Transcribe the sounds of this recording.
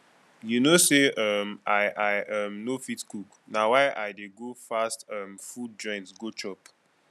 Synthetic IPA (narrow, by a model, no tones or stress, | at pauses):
junoseʌmaɪʔaɪʔʌmnofitkuk | nawaɪʔaɪdeɡofastʌmfud̚d͡ʒɔ̃ɪ̃ntsɡot͡ʃɔp